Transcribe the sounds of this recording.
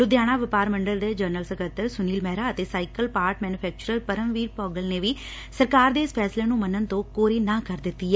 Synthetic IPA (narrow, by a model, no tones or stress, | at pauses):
ɾʊd̪jaːɽ̃aːʋɪpaːɾməɳɖəld̪eːd͡ʒəːɾnəlsəkət̪ːəɾsʊniːlmɛːɾaːət̪eːsaːɪkəlpaːɾʈmɛːnʊpʰɛːk̚t͡ʃʊɾəɾpəɾəmʋiːɾpɔːɡəlneːʋiː | səɾkaːɾd̪eːɪspʰɛːsleːnũːmənːənt̪õːkoːɾiːnãːkəɾd̪ɪt̪ːiːɛː